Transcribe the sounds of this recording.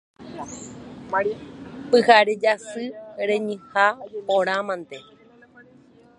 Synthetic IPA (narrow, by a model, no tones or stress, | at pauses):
pɨhaɾed͡ʒasɨɾẽɲɨ̃hapoɾ̃ãmãnt̪e